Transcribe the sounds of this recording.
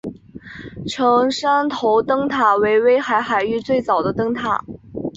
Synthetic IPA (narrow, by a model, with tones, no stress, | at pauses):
ʈ͡ʂʰɤ˧˥ŋʂa˥nt̪ʰo˧˥ʊt̪ɤ˥ŋt̪ʰa˨˩we˧˥ɪwe˥ɪxa˧˥ɪxa˨˧˩ɪy˥˧t͡swe˥˩ɪt͡sɑ˨˩ʊd̪ə˦t̪ɤ˥ŋt̪ʰa̰˥˩